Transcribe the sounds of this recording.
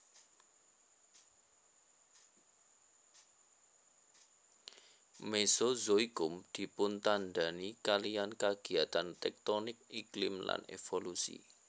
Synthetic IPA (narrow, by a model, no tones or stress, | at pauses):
mesozoiɡ̥ʊmd̪̥i̤pʊnt̪anɖ̪anikalijankaɡ̥i̤at̪ant̪ɛk̚t̪onɪk̚iklɪmla̰nḛfolusḭ